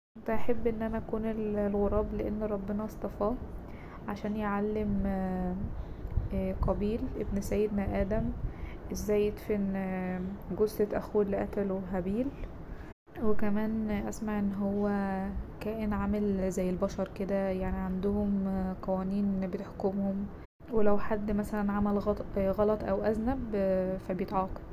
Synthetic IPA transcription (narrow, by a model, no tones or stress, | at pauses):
ʔent̪ˤɑʔaħebːʔenːʔænæʔækuːnellɣoɾˤɑːbleʔenːɾˤɑbːenɑʔɑsˤt̪ˤɑfɑː | ʕaʃæːnjeʕalːem | qɑbiːlʔebnsæjːed̪næʔæːd̪æmʔezːæːjːet̪fen | ɡozʔet̪ʔæxuːelːiʔæ̰t̪æloɦæbiːl | wekæmæːnʔæsmaʕʔenːɦowːækæːʔenʕamelzæjːelbɑʃɑɾˤked̪æjaʕniʕand̪ohomqɑwæːniːnbet̪eħkomhom | welæwħad̪ːmæsælænʕamælɣɑt̪ˤɣɑlɑt̪ˤʔæwʔæznæbfæbjet̪ʕɑːqɑ̥d̪